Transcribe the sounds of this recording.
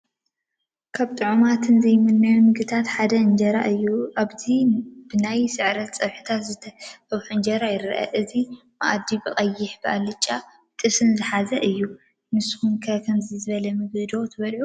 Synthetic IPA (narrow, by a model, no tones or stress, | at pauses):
kʰaβt̪ʼɨʕumat̪ʰɨnzɐjmɨnmjanmɨɡɨt̪ʰat̪ħad̪ɐɨnd͡ʒɐɾaʔɨjːuʔaβzibɨnajsɨʕɾɐt̪t͡sʼɐβħɨ̥t̪ʰat̪zɨt̪ʰɐtɐβħuɨnd͡ʒɐɾajɪɾɐ̰ʔɐ̰ʔɨzi | ma̰ʔad̪ibɨχʼɐjːɪħbɨʔalːɨt͡ʃʼːa | t̪ʼɨsɨnzɨħazɐʔɨjːu | mɨsɨxunkʰɐkʰɐmzɨzɨβɐlɐmɨɡɨd̪o̞t̪ʰɨβɐlʕu